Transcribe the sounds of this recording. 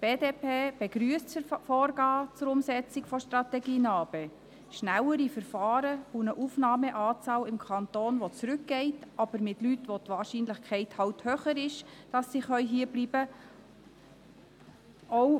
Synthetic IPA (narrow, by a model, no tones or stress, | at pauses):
b̥eːdeːpʰeːb̥eɡɾyəstfɔːɾɡɑːt͡sʊɾʊmsɛt͡sɪkfɔʃtɾɑt̪ɛɡiːnɑːb̥ɛ | ʃnæwəɾifəɾfɑːɾəunəʔufnɑːmɛʔɑːt͡sɑːlɪmkʰɑntoːnʋɔt͡sɾʏk̚ɡ̥ɛɪtɑb̥əɾmɪtlytʋotʋɑːɾʃiːnləχkʰχɛɪthɑwthøːχəɾɪʃd̥ɑsːiχœʏɦiːblibə | ow